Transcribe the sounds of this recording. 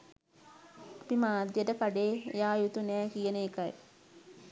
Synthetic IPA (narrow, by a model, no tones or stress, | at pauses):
ɐpimaːd̪jəʈəkaɖḛːjaːjut̪unɛːkijəneːka̰j